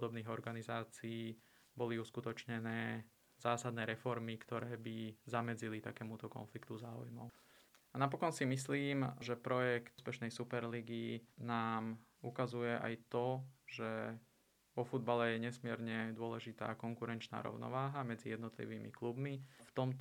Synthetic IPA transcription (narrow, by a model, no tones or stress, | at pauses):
pɔd̪ɔbniːɣɔɾɡanizaːt͡siiː | bɔliuskut̪ɔt͡ʃɲɛnɛː | zaːsad̪nɛːɾɛfɔɾmikt̪ɔɾɛːbizamɛd͡zilit̪akɛːmut̪ɔkɔ̰nflikt̪uzaːṵjmɔ̰ʊ | anapɔkɔnsimisliːmʒɛpɾɔjɛkt̪spɛʃnɛjsupɛɾliɡinaːmukazujɛʔa̰jt̪ɔʒɛ | ʋɔfud̪balɛjɛɲɛsmɪɛɾɲɛd̪ʊɔlɛʒit̪a̰ːkɔŋkuɾɛnt͡ʃna̰ːɾɔ̰ʊnɔ̰ʋaːɦamɛd͡zijɛd̪nɔt̪lḭʋiːmḭklubmift̪ɔmt̪